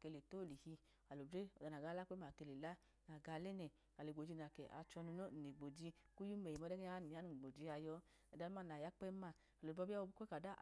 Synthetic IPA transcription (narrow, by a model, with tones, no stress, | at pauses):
ke˧le˨to˦˨li˨hi˧ | a˨lo˨de˦ɔ˨da˨na˨ɡa˧˦la˦k͡pɛ˦ma˨ke˧˨le˨la˦ | na˨ɡa˧˨lɛ˦nɛ˨ | a˨le˨ɡ͡bo˨d͡ʒi˧na˨kɛ˨ʔa̰˧t͡ʃɔ˧nu˧no˦˨ne˨ɡ͡bo˨d͡ʒi˧ku˦ju˦mɛ˨i˨mɔ˧˦dɛ˦ɡɛ˦a˧˦ni˨ja˨˦nu˨ɡ͡bo˨d͡ʒi˧˦a˧jɔ˧˦ | ɛ˨da˨˧˦ma˦˨na˨ja˦k͡pɛ˦ma˧˨ | a˨o˨bɔ˧˦bi˦a˦o˧bke˦ka˨da˦